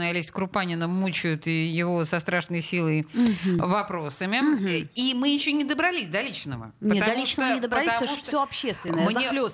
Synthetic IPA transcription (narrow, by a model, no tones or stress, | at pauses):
əjɐlʲisʲtʲkɾʊpanʲɪnəmːut͡ɕʊjʊt̪ijɪvo̞sɐst̪ɾaʂnəjsʲilˠəjvɐpɾo̞səmʲɪimɨjɪɕːonʲɪd̪əbɾɐlʲisʲd̪alʲit͡ɕnə̰və̰ɲʲətt̪alʲit͡ɕnəɪd̪əbɾɐlʲitsamuʂtfssʲoɐpɕːestt̪vʲɪnəəmɲzʲelʲo